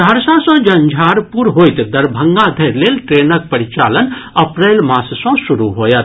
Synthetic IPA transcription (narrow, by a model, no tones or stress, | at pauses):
d̪ʱaɾsãsɔ̃d͡ʒɐnd͡ʒʱaːɾpuɾɦoːjt̪d̪ɐɾbʱəŋɡãd̪ʱɐɾleːlʈɾeːnək̚pɐɾit͡ʃa̰ːlənɐpɾeːlmaːssɔ̃suɾuɦoːjət̪